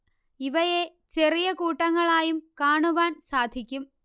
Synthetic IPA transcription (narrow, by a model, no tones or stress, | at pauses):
iʋɐje | t͡ɕerijɐkuːʈːɐŋːɐɭaːjumkaːɳuʋaːnsaːd̪ʱikʲːum